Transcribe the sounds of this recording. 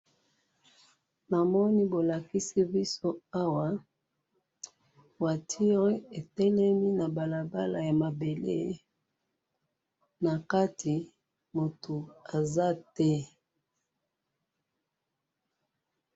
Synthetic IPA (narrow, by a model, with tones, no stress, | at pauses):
na˨mɔ˦ni˦bo˨la˨ki˦si˦bi˦so˦a˦wa˨ | wa˨tʰi˦ʁi˦e˨tɛ˦lɛ˦mi˦na˨ba˨la˨ba˦la˨ja˨ma˨be˨lḛ˦˨ | na˨ka˦tʰi˨ | mo˨tʰo˨a˨za˦tɛ˦